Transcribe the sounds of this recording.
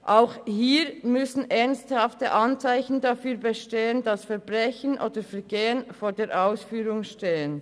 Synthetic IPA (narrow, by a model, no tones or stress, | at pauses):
ʔaʊxhiːɾmʏsn̩ʔɛʁnsthɑftəʔɑnt͡saɪçn̩dɑfyːɐbəʃteːəndɑsfɛɐbʁɛçənʔoːdəfɛɐɡeːənfoːdeːɾʔaʊsfyːɾʊŋʃteːən